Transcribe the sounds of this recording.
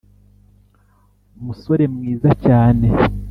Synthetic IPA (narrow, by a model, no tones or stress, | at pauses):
umuso̞ɾe̞mŋiːzacaːne̞